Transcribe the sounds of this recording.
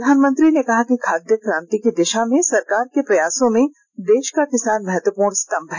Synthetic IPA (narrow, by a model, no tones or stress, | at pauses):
ɾd̪ʱaːnmə̃nt̪ɾinekɐɦakikʰaːd̪jəkɾãːnt̪ikid̪ɪʃamẽsɐɾkaːɾkepɾɐjaːsõmẽ | d̪eːʃkakɪsaːnmɛɦɛt̪wəpuːɾɽ̃st̪ɐ̃mbʱɦɛ